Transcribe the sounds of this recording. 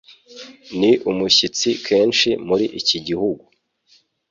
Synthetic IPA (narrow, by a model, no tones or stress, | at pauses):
niʔumuçit͡sikʰe̞ːnʃimuɾiʔiciɟihuɡu